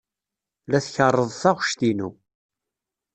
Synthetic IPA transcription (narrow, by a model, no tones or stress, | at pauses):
læθçərˤːəðˤθæʁʃt̪inṵ